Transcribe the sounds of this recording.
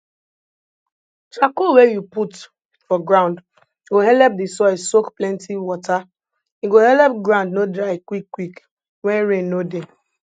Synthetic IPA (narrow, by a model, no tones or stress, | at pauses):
t͡ʃakowejuput | fɔɡɹãʊ̃nd | jɡoɦɛlɛp̚disɔɪssokplɛ̃ntʰiwɔta | juɡohɛlɛpɡɹãʊ̃ndnodɹaɪkwikːwik | wɛ̃nɹẽnːode